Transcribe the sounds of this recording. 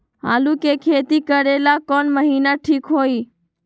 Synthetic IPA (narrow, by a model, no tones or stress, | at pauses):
ɦa̰ːlukekʰeːt̪ikəɾelakɔːnməɦiːnaʈʰiːkɦoːiː